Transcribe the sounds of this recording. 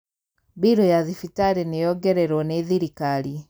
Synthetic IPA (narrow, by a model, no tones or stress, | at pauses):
biɾɔjaðifitaɾenejɔɡɛɾɛɾwɔneðiɾikaɾi